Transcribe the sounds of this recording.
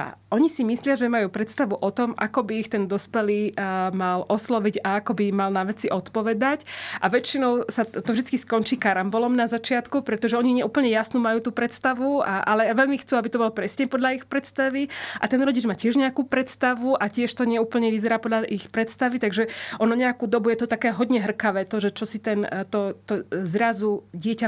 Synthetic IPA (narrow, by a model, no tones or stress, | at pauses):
ʔɔɲisimislɪaʒɛmajuːpɾɛt̪st̪aʋuʔɔt̪ɔma̰kɔbiːxt̪ɛnd̪ɔspɛliːmalʔɔslɔʋiɟaakɔbimalnaʋɛt͡siʔɔt̪pɔʋɛd̪acʔaʋɛt͡ʃinɔʊsat̪ɔvʒd̪it͡skiskɔnt͡ʃiːkaɾambɔlɔmnazat͡ʃɪat̪kupɾɛt̪ɔʒɛɔɲiɲɛuːpl̩ɲɛjasnuːmajuːt̪uːpɾɛt̪st̪aʋuaʔalɛaʋɛʎmixt͡suːabit̪ɔbɔlpɾɛsɲɛpɔd̪ʎaixpɾɛt̪st̪aʋiʔa̰t̪ɛnɾɔɟid͡ʒmaːcɪɛʒɲɛakuːpɾɛt̪st̪aʋuʔacɪɛʃt̪ɔɲɛuːpl̩ɲɛʋizɛɾaːpɔd̪ʎaʔixpɾɛt̪st̪aʋit̪aɡʒɛʔɔnɔɲɛakuːd̪ɔbujɛt̪ɔt̪akɛːɦɔd̪ɲɛɦr̩kaʋɛːt̪ɔʒɛt͡ʃɔsit̪ɛnt̪ɔt̪ɔzɾazuɟɪɛca